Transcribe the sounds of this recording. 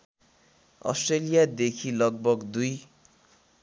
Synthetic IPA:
ʌ̰sʈrelijad̪ekʰilʌɡ̚bʌɡd̪uj

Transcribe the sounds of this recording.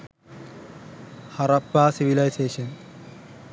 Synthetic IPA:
hɐɾɐpːaːsiʋilɐjseːʃɐn

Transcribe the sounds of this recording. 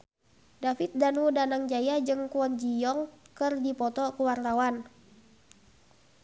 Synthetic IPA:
dafit̪̚danudanaŋd͡ʒajad͡ʒɨŋkuɔnd͡ʒijɔŋkɨrdipɔt̪ɔkuwart̪awan

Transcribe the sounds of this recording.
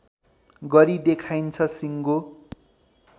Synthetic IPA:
ɡʌɾid̪ekʰajnt͡sʰʌsiŋɡo

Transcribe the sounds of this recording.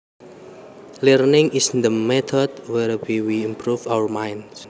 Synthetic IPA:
lərnɪŋisnd̪əmɛt̪ʰɔd̪̚wɛrwiwiimpɾufawəɹmajns

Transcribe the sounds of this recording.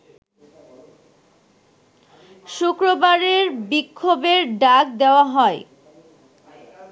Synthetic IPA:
ʃukɾobaɾeɾbikʰːobeɾɖak̚d̪eoaɦɔe

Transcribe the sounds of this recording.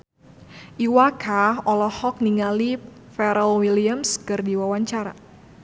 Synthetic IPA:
ʔiwakʰaɔlɔhɔk̚niŋali | fɛɾəlwiliamskɨrdiwawaɲt͡ʃaɾa̰

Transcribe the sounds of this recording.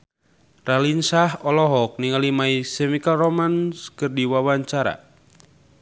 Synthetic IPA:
ralinsaɦɔlɔɦɔk̚niŋalimaisɛmikalrɔmanskɨrdiwawaɲt͡ʃaɾa̰

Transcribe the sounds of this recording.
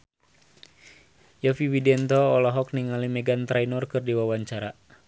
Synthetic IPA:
jafiwidɛnt̪ɔːlɔɦɔk̚niŋalimɛɡant̪ɾainɔrkɨrdiwawaɲt͡ʃaɾa

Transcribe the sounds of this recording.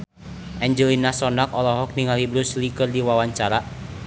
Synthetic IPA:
ʔɛɲd͡ʒəlinasɔnak̚ɔlɔɦɔk̚niŋalibɾuslikərdiwawaɲt͡ʃaɾa

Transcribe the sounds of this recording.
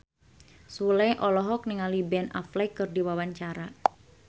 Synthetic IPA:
sulɛjʔɔlɔɦɔk̚niŋalibɛna̰flɛkɨrdiwawaɲt͡ʃaɾa

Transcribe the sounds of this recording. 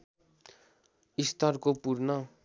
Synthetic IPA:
ist̪ʌɾkopuɾnʌ

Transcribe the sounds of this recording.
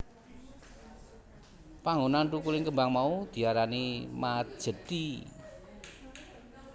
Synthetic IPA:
paŋonant̪ukulɪŋkəmbaŋmaud̪̥i̤aɾanimat̪̚ʒ̥ə̤d̪i

